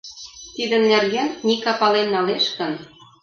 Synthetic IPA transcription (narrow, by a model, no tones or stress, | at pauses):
t̪id̪ə̆nːerɣænːikɑpɑlenːɑleʃkə̆n